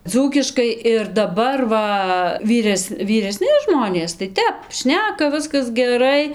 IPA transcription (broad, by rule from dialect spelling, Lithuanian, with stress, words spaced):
ˈd͡zuːkʲɪʃkɐɪ ɪr dɐˈbɐr ˈʋɐ ˈʋʲiːrʲɛs ʋʲiːrʲɛˈsʲnʲɪ ˈʒmoːnʲeːs tɐɪ ˈtʲɛp ˈʃʲnʲæːkɐ ˈʋʲɪskɐs ɡʲɛˈrɐɪ